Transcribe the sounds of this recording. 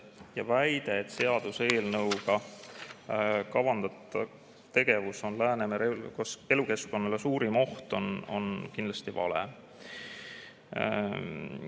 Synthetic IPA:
jɑvæjd̪̥e̞ːt̪se̞ɑd̪̥use̞ːlnɤwɡ̥ɑ | kɑvɑnd̪ɑt̪ˑːɑ | t̪e̞ɡ̥e̞vuso̞nlæːnemeɾelkose̞luke̞sko̞nːɑlesuːɾimo̞ht̪o̞no̞̰nkinlɑst̪ivɑ̰lḛ

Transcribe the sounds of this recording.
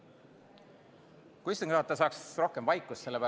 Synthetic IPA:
kuist̪ɑŋɡɾɑːt̪ːɑs̬ɑːksro̞hke̞mvɑjkˑːusse̞lːepæ

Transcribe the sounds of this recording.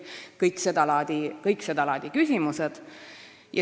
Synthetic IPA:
kɤjksed̪ɑlɑd̪̥ikɤjksed̪ɑlɑd̪̥ʲikysʲimused̪̥ | jɑ

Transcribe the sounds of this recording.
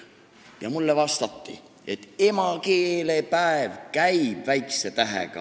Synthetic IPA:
jɑmulːevɑst̪ɑt̪ːḭ | e̞t̪ːe̞mɑkeːlepæevkæjb̥væjkset̪æɦḛɡ̥ɑ̰

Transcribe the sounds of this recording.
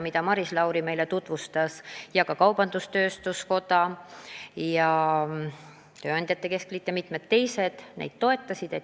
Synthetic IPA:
mid̪̥ɑmɑɾislɑwɾime̞jle̞t̪ut̪vust̪ɑsjɑkɑkɑwb̥ɑnd̪ust̪ø̞ːst̪usko̞d̪ɑ | jɑ | t̪ø̞ːɑnʲd̪jɑt̪ːˑe̞ke̞sklit̪jːɑmit̪ˑmed̪t̪ːe̞jse̞d̪̥nʔḛd̪̥̚t̪o̞e̞t̪ˑːɑsʲid̪̥e̞

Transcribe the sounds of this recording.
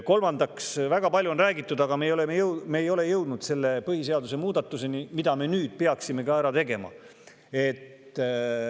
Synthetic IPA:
ko̞lmɑnd̪ɑksvæɡ̥ɑpɑlʲjuonræːɡit̪ːˑud̪ɑɡ̥ɑmeːjo̞le̞mejɤwmeːjo̞le̞jɤwd̪̥nud̪̥se̞lːe̞pɤhis̬e̞ɑd̪use̞muːd̪̥ɑt̪ːˑuse̞nimid̪̥ɑme̞nyːd̪̥pe̞ɑksime̞kɑæɾɑt̪e̞ɡe̞mɑ̰ | e̞t̪ː

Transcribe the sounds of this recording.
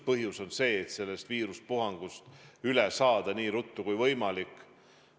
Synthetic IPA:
pɤɦjuso̞nse̞ːt̪se̞lːe̞st̪viːɾuspuɦɑŋɡ̥ust̪ylɛsɑːd̪̥ɑniːɾut̪ːˑukujvɤ̞jmɑlikːˑ

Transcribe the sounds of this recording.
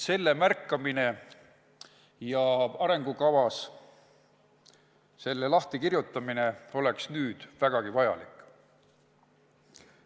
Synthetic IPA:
se̞lːe̞mærkːɑmine̞ | jɑɑɾe̞ŋɡ̥ukɑvɑs | se̞lːe̞lɑht̪ikirjut̪ːˑɑmine̞o̞le̞ksnyːd̪̥væɡ̥ɑɡ̥ivɑjɑ̰likˑ

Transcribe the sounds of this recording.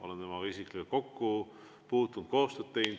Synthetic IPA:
o̞̰lent̪emɑisiklikeko̞kːu | puːt̪ːˑunt̪̚ko̞ːst̪øːt̪̚t̪e̞jn

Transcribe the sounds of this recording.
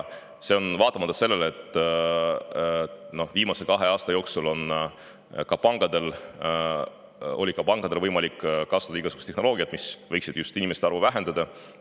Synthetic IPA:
se̞o̞nvɑːt̪ːˑɑmɑt̪ːɑ̥se̞lːeleet̪ːˑ | no̞viːmɑse̞kɑɦe̞ɑːst̪ɑjo̞ːksulo̞n | kɑpɑŋɡ̥ɑd̪̥e̞l | o̞̰lʲikɑpɑŋɡ̥ɑd̪e̞lvɤjmɑlikːkːɑsɑd̪̥ɑiɡ̥ɑsuɡu̥st̪ehno̞lo̞ːɡ̥iɑt̪misvɤ̞jksid̥̪just̪inimese̥t̪ɑrvuvæɦe̞nd̪ɑd̪ɑ

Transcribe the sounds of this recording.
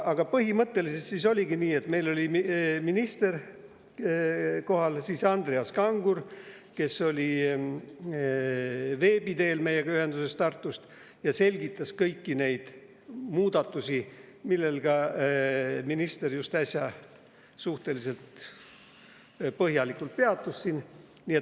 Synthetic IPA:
ɑɡ̥ɑpɤɦimɤt̪ːe̞liset̪siːso̞lʲiɡiniːe̞t̪me̞jlo̞lʲimminist̪e̞r | ko̞ɦɑlsiːsɑnd̪̥reɑskɑŋɡur | ke̞so̞lʲi | ve̞ːbid̪e̞ːlme̞jːeɡɑyhe̞nd̪use̞st̪ɑrt̪ːˑust̪ | jɑse̞lʲɡ̥it̪ːˑɑskɤjkːine̞jd̪̥ | muːd̪̥ɑt̪ːˑusʲi | milːe̞lɡ̥ɑ | minist̪e̞rjust̪ɑsʲjɑ | suht̪e̞lise̞lt̪ | pɤɦjɑlikult̪̚peɑt̪ːusːinniːet̪

